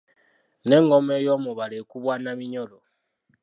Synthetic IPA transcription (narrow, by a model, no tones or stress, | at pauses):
nɛŋɡɔmɛjɔmɔβalɛkuβwanamiɲɔlɔ